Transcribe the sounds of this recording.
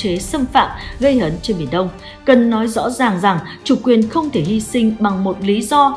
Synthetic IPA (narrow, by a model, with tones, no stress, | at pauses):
t͡ɕe˨˦sə˧mfa̰ː˧˨mɣə˧jhəː˨˦nt͡ɕe˧nmi˨˩ənɗə˧wŋ͡m | kə˨˩nːɔ˨˦jzɔ̰˧˥zaː˨˩ŋza˨˩ŋt͡ɕu˨˩kwi˨˩ənxə˧wŋ͡mt̪ʰe˧˩hi˧sï˧ŋ̟ɓa˨˩ŋmo˨˩t̚li˨˦zɔ˧